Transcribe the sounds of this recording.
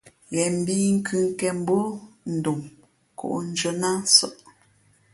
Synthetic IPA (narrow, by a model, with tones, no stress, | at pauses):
ɣɛ˨m̩˨bi˦ŋ̩˦kʰʉ˦ŋ˦kɛ˨m̩˦bo˦n̩˨du˨m | kṵ˨ʔn̩˦d͡ʒo˦na˦n˦sɔ̰˦ʔ